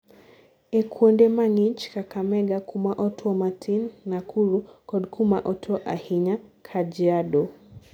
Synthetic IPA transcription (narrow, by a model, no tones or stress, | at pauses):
ɛkwɔndɛmaŋit͡ʃkakamɛɡakumaʔɔtʰwɔmatʰinːakʰuɾukɔɗkʰumaʔɔtʰɔʔahiɲakʰad͡ʒiaɗɔ